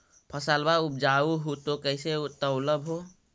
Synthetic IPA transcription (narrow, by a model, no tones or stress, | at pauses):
pʰəsaːlbaʊp̚d͡ʒauɦot̪okəɪset̪əʊləbɦo